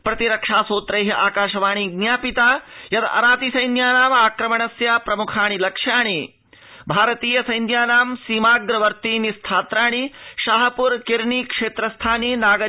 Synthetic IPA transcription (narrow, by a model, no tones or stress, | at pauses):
pɾɐt̪iɾɐkʂaːsoːt̪ɾɐjɦɐʔaːkaːʃɐʋaːɳ̃iɡnjaːpit̪aːjɐt̪ɐ̰ɾaːt̪isɐjnjaːnaːmaːkɾɐmɐɳɐsjaːpɾɐmukʰaːɳ̃ilɐkʂjaːɳ̃i | bʱaːɾɐt̪iːjɐsɐjnjaːnaːmsiːmaːɡɾɐʋɐɾt̪iːnist̪ʰaːt̪ɾaːɳ̃iʃaːɦɐpuɾkiɾɳikʂeːt̪ɾɐst̪ʰaːninaːɡɐ